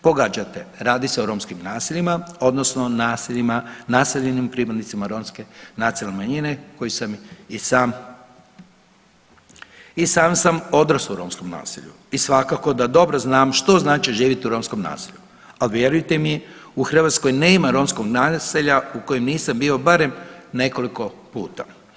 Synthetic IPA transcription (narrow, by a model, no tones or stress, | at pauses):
po̞ɡad͡ʒat̪eɾaːd̪iseoɾo̞ːmskimnaːsiʎimao̞d̪no̞sno̞naːsiʎimanaːseʎenimpɾipad̪nit̪simaɾo̞ːmske̞nat̪sijalnemaɲine̞ko̞jisamisaːm | isaːmsamo̞d̪ɾasauɾo̞ːmsko̞mna̰ːsḭʎṵ | isʋakako̞d̪ad̪o̞bɾoznaːmʃt̪o̞znaːt͡ʃiʒiːʋit̪iuɾo̞ːmsko̞mna̰ːsiʎu | alʋje̞ɾujt̪emijeuxr̩ʋat̪sko̞jne̞ːimaɾo̞ːmskoɡnaseʎauko̞jimniːsambio̞baɾe̞mne̞ko̞liko̞pṵːt̪a̰